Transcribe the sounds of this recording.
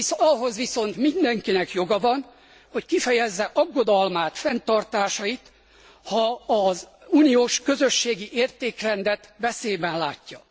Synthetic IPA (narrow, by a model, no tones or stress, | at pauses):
ɒɦo̞zʋiso̞nt̪mind̪ɛŋkinɛkjo̞ɡɒvɒn | ho̞ckifɛjɛzːɛʔɒɡːo̞d̪ɒlmaːt̪fɛnt̪ɒrt̪aːʃɒit̪ | hɒːzuːnijoːʃkø̞zø̞ʃːeːɡiʔeːrt̪eːkrɛnd̪ɛt̪bɛseːbɛnlaːcːɒ